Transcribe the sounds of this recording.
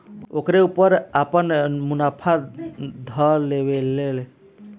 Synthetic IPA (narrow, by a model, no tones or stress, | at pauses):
okɾeupəɾapənmunapʰad̪ʱəlebelel